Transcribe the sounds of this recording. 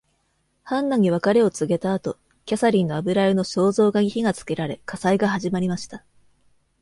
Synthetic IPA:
hãnːaɲ̟iβ̞akaɾe̞o̞t͡sɨɡe̞t̪aːt̪o̞ | kʲasaɾʲĩnːo̞abɯ̟ɾaɾɯ̟no̞ɕo̞ːzo̞ːɡaɡʲiçiɡat͡sɨ̥ke̞ɾaɾe̞kasaiɡaɦaʑimaɾʲimaɕi̥t̪a

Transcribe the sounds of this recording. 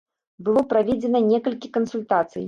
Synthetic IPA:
bɨlˠɔpɾavʲɛd͡zʲɛnɐnʲɛkɐlʲkʲikɐnsulʲt̪at̪sɨ̰j

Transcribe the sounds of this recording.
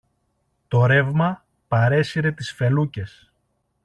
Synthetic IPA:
t̪o̞ɾe̞vmɐ | pɐɾe̞siɾe̞t̪isfe̞luce̞s

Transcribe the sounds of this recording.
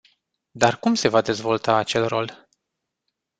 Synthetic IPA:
d̪arkumse̞vad̪e̞zvo̞lt̪aːt͡ʃe̞lro̞̰l

